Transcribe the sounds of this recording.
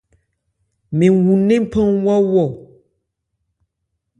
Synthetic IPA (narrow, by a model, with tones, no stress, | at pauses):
me˨wu˨nẽ˦m˦pʰɔ̃˦ŋwɔ˦wɔ˦˨